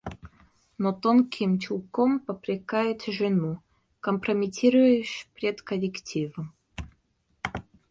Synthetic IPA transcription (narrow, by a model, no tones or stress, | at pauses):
not̪onkʲʰɪmt͡ɕʲulˠkompəpɾʲɪkajʊt̪ʲʐɨnu | kəmpɾəmʲɪtʲiɾʊjʊɕpʲɾʲet̪kəlʲɪktʲivəm